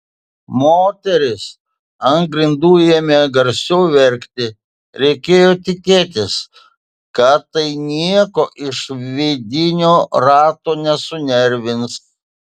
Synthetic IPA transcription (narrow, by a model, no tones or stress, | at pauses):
moːt̪ʲɛɾʲɪs | ɐŋɡɾʲɪnd̪uːjɛmʲɛɡɐɾʲsʲɛʊʋʲɛɾʲkt̪ʲɪ | ɾʲɛɪkʲeːjoːt̪ʲɪkʲeːt̪̬ʲɪs | kɐt̪ːɐɪnʲiɛkoːʔɪʃʋʲed̪ʲɪnʲoːɾɑːt̪oːnʲɛsʊnʲɛɾʲʋʲɪns